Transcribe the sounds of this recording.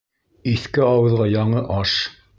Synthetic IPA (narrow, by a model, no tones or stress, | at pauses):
iθkɘɑwɤ̆ðʁɑjɑɴɤʔɑʃ